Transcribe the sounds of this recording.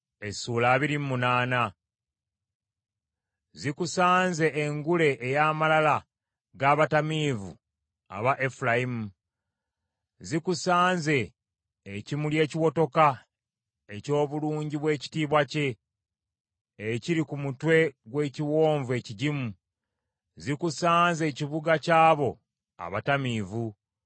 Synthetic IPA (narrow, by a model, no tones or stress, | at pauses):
esuːlaːβiɾimmunaːna | zikusaːnze̞ʔːŋɡule̞ʔːjaːmalala | ɡaːβatamiːvṵ | a̰βaʔefulajimu | zikusaːnze̞ː | cimulje̞ːciwo̞to̞ka | e̞co̞ːβuluːɲɟiβwe̞ːci̥tiːβwace̞ | ciɾikumutwe̞ɡwe̞ːciwo̞ːɱve̞ciɟimu | zikusaːnze̞ːciβuɡacaːβo̞ | a̰βatamiːvu